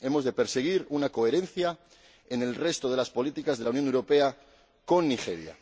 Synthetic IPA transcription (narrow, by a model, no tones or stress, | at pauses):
e̞mo̞zðepe̞ɾse̞ɣ̞iɾunako̞eɾẽ̞nθja | ene̞lre̞st̪oð̞e̞laspo̞lit̪ikazðe̞launjonewɾope̞a | ko̞nːixe̞̰ɾja̰